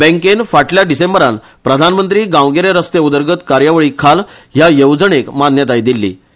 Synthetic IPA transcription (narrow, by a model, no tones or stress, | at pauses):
bɛ̃ŋkenfaʈljaɖisembəɾan | pɾəd̪ʱanmənt̪ɾiːɡãwɡeɾeɾəst̪eud̪əɾɡət̪kaɾjaʋəɭiːkʰalɦjajəwd͡zəɳ̃ekmanjət̪ajd̪ilːḭː